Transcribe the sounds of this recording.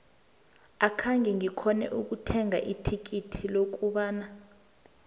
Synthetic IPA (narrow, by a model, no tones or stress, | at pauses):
akʰaŋɡɛŋikʰɔnɛ̰ʔuk̬utʰɛŋʱa̰ʔitʰik̬itʰilok̬ʼuɓaːna